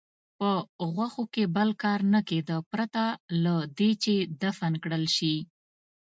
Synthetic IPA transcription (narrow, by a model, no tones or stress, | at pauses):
pəɣwaxokebəlkɑɾnəked̪əpɾat̪alad̪et͡ʃed̪afankɽəlʃi